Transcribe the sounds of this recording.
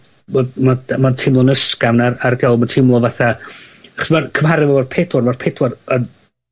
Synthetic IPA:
bodmamatʰɪmlˠɔnəskavnararɡɛlˠmatʰɪmlˠɔvaθaaχɔ̥smarkʰəmhaɾɪvɛarpʰedwɔrmarpʰedwɔrən

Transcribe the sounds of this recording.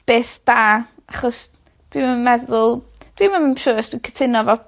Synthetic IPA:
b̥eːθd̥aːaχɔs | d̥wiməmɛðʊlˠ | d̥wimaməʃəsd̥wikʰətʰɪnɔvɔ

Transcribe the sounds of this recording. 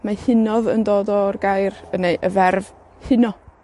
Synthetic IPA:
mahɪnɔðə̰ndoːdɔrɡajrənejʔəvɛrv | hɪnɔ

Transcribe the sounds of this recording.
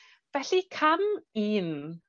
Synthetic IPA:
vɛɬikʰamiːn

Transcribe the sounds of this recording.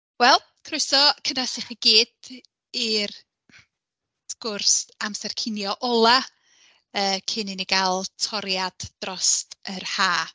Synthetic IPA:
wɛlˠ | kʰrʊjsɔkʰənasɪχəɡiːd̥ | ir | skʊrsamsɛrkʰɪnjɔʔɔlˠa | əːkʰɪnɪniɡalˠtʰɔɾjad̥d̥rɔstərhaː

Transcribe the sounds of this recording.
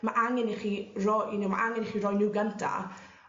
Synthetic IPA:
maʔaŋɛniχiːrɔinɪwma̰ʔaŋɛniχiːɾɔjnɪwɡəntʰa̰

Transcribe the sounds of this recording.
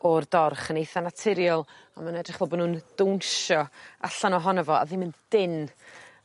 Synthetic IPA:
ɔrdɔrχənejθanatʰɪɾjɔlˠ | amanɛdrɪχv̥ɔlˠbɔdnuːnd̥ownʃɔa̰ɬanɔɦɔnəvɔa̰ðɪmɪnd̥ɪn

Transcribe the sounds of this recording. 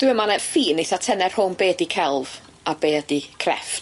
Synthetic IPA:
d̥ɪəmanɛfiːnejθatʰɛnɛr̥hʊnbeːdikʰɛlˠv | abeːdikʰrɛ̰ft

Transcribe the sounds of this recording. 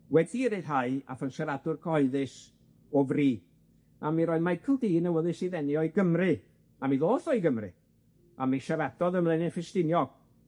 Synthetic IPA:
wɛdiɾe̥ɦaɨa̰fənʃaɾadʊrkʰɔɨðɨs | ɔvriː | amiɾɔːɨðmajkʰəlˠdiːnəwəðɨsiðɛnjɔiɡəmrɨ | amiðoːθɔiɡəmrɨ̰ | amiʃaɾadɔðəmlˠɛnɪnfɪstɪnjɔɡ̥

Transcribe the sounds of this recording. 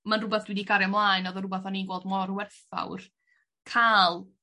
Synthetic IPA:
manrʊbɛθd̥wɪdiɡaɾɛmlˠaːjnɔðərʊbɛθaninɡwɛlˠdmɔɾwɛrθa̰wr | kʰaːlˠ

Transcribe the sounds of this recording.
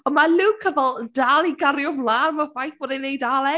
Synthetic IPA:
ɔmalˠɪwkʰːəvɛlˠdaːlˠiɡarjʊvlˠaːnmavajθb̥ɔdɪnːejdaːlˠɛ

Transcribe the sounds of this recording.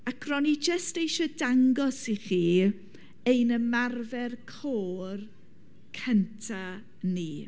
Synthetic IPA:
akʰrɔnid͡ʒəstejʃɔdaŋɡɔsiχiː | ejnəmarvɛrkʰoːr | kʰəntʰa | niː

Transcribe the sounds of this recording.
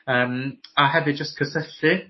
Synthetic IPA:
əːmaɦɛvɨd͡ʒəst̚kʰəsəɬɨ

